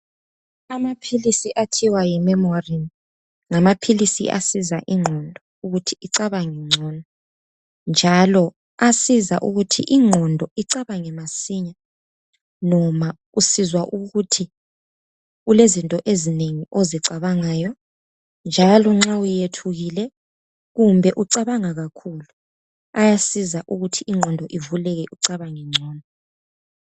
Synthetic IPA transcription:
amapʰilisiʔatʰiwajimɛmorin | ŋamapʰilisḭʔa̰sizaʔiŋ͡ǁʱɔndʱɔ | uɣutʰiiǀaβaŋɛŋ͡ǀʱɔnɔ | nd͡ʒʱalɔ | asiza̰ʔuɣutʰḭʔiŋ͡ǁʱɔndʱɔʔiǀaβaŋɛmasiɲa | nɔma | usizwaʔuɣutʰi | ɣulezintʼɔʔezineŋiʔoziǀaβaŋaːjɔ | nd͡ʒʱalɔŋ͡ǁawujetʰuɣilɛ | ɣumbʱɛʔuǀaβaŋaɣakʰulu | ajasizaʔuɣutʰiiŋ͡ǁʱɔndʱɔʔivulɛɣɛʔuǀaβaŋɛŋ͡ǀʱɔːndʱɔ

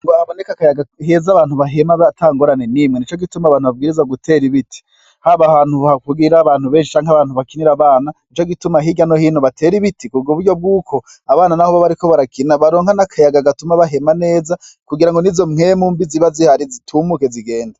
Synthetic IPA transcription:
ŋɡoaβonekakajaɡaɦezaβaːnhuβaɦe̞maβatʰaːŋɡoɾane̞nimwenit͡ʃo̞ɡitumaβaːnhuβab̚ɡiːɾizaɡutʰe̞ɾiβitʰi̥ | haβahaːnhuβhakuɡiɾaβaːnhuβeːnʃi̥t͡ʃaːŋaβaːn̥uβakiniɾaβaːnait͡ʃo̞ɡitumaɦiɟano̞hiːnoβatʰe̞ɾiβitikubɡoβuɾɟo̞b̚ɡuːkʰo̞ | aβaːnanahoβaβaɾiko̞βaɾakinaβaɾo̞ːŋhanakʰajaɡaɡatumaβaɦe̞mane̞ːza | kuɡiɾaŋɡonizo̞mŋemuːmbiziβazihaɾizitʰuːmuke̞ziɡe̞ːnda

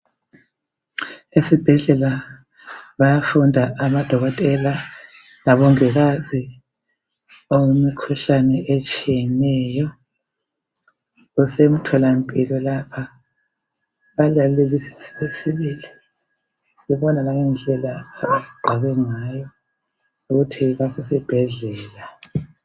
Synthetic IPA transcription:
esib̥ʱɛɮɛla | βajafundʱaʔamad̥ʱɔɣɔtʼɛla | laβɔŋɛɣazi | owemikʰuɬanɛʔet͡ʃʼijɛnɛːjɔ | usem̩tʰɔlampʼilɔlapʰa | βalalelisɛ̥siβesiβiːli | siβɔnalaŋɛnd͡ɮʱɛlaaaɣaɡ͡ǃʱaɣɛŋajɔ | uɣutʰiβasɛsib̥ʱɛɮɛːla

